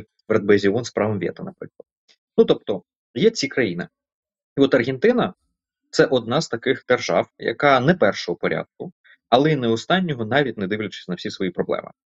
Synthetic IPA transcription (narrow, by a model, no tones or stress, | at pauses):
ʋɾɛd̪̚bɛzʲiɔnspɾɑʋɐmʋʲɛ̰t̪ɐnɐpɾɪ̰klˠɐt̪̚ | nut̪ɔp̚t̪ɔ | jɛt͡sʲikɾɐjinɪ̰ | iɔt̪ɐrɣɛnt̪ɪnɐ | t̪sɛʔɔd̪̚nɑzt̪ɐkɪxd̪̥erʒɑ̰wjɐ̰kɑnɛpɛrʃɔɦɔpɔɾʲʔɑ̰d̪̚kʊ | ɐlˠɛinɛɔst̪ɑnʲːɔɦɔnɑʋʲitʲnɛd̪ɪʋlʲɐt͡ʃɪ̥sʲnɐwsʲisʋɔjipɾɔblˠɛ̰mʔɪ̰